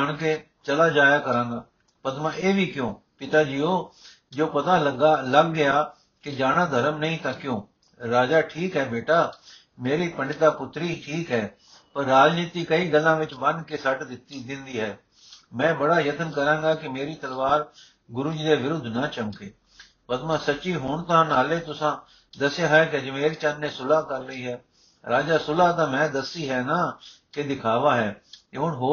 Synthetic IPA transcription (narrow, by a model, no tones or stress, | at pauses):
aɳkeː | t͡ʃəlaːd͡ʒaːjaːkəɾãːŋɡaː | pəd̪mãːeːʋiːkjõː | pɪt̪aːd͡ʒiːoː | d͡ʒoːpət̪aːɡləɡːɪaː | kɪd͡ʒaːɽãːd̪ʱəɾəmnəɦĩːt̪ãːkjõː | ɾaːd͡ʒaːʈʰiːkɦɛːbeːʈaː | meːɾiːpəɳɖɪt̪aːpʊt̪ɾiːʈʰiːkɦɛː | pəɾːaːd͡ʒniːt̪iːkəiːɡəlːãːʋɪt͡ʃbənd̪kesəʈd̪ɪt̪id̪ɪ̃nd̪iːɦɛː | mɛ̃ːbəɽaːjət̪ənkəɾãːŋɡaːkɪmeːɾiːt̪əlʋaːɾ | ɡʊɾʊd͡ʒd̪eːʋɪɾʊd̪ʱnaːt͡ʃəmkeː | pət̪mãːsət͡ʃʃiːɦʊɳt̪ãːnaːleːt̪ʊsãː | d̪əsjaːɦɛkeəd͡ʒmeːɾt͡ʃanːẽːsʊlaːkəɾːəiːɦɛː | ɾaːd͡ʒaːsʊlaːt̪ãːmɛ̃ːd̪əsiːɦɛːnaːked̪ɪkʰaːʋaːɦɛːeɦʊnɦoː